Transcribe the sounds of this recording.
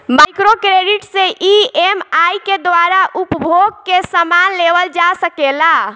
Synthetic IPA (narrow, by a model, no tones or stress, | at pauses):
majkɾokɾeɖiʈsẽʔiemajked̪ʋaɾaʔupəbʱoɡ̚kesəmanleʋəld͡ʒasəkela